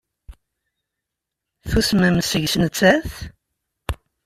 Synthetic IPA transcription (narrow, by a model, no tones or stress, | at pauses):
θusmæmsəʝsnt͡sːæθ